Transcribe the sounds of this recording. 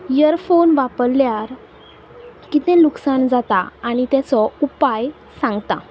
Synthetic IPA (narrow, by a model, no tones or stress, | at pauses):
jəɾfonʋapəɾːjaɾ | kit̪ẽluksand͡zat̪aːɽ̃it̪jat͡sɔupaj | sãŋɡt̪a̰